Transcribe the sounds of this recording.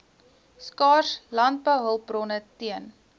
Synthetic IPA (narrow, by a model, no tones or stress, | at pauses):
skɑːrslɐnt̚bəwɦəlˠbrɔnətiən